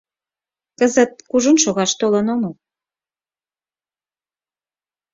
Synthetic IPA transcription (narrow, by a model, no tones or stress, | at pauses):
kəzə̆t̪̚kuʒunʃoɣɑʃt̪olənomo